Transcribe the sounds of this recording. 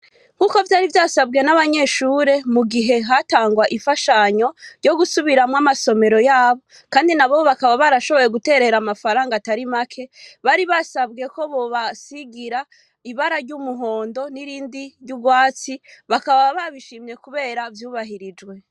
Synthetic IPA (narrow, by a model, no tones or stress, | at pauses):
huko̞vjaːɾivjaːsabɡe̞naβaɲe̞ʃuːɾe̞muɡiɦe̞ɦataːŋɡwaʔifaʃaɲo̞ɾɟo̞ɡusuβiɾamwamaso̞me̞ɾo̞jaːβo̞ | kaːndinaβoβakaβaβaɾaʃo̞βo̞je̞ɡute̞ːɾe̞ɾamafaɾaːŋɡataɾimakʰe̞βaɾiβasabɡe̞ko̞βo̞βasiɡiɾa | iβaɾaɾɟumuɦo̞ːndo̞niɾiːndiɾjɟuɡwaːt͡siβakaβaβaβiʃiːmɲe̞kuβe̞ːɾavjuːβaɦiɾid͡ʒɡwe̞